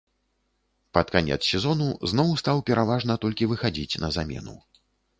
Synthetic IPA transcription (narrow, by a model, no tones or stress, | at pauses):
pɐt̪kanʲɛ̰t̪ssʲɛzɔnuznɔwst̪awpʲɛɾavaʐnɐt̪ɔlʲkʲivɨxad͡zʲit͡sʲnɐzamʲɛ̰nṵ